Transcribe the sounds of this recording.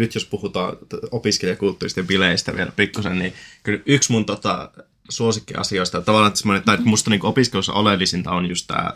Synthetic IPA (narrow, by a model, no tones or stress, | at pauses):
nyt̪jospuhut̪ɑ̰ːnopiskelijɑkult̪ːuːrist̪epileist̪æʋielpikːusennikylyksmunt̪ot̪ɑ̰ | suosikːiɑ̰sioist̪ɑt̪ɑʋɑˑlːˑɑːnt̪semːonet̪ːɑimust̪ɑniːŋkoopiskelusːɑ̰ʔolelːisint̪ɑonjust̪t̪æ̰ː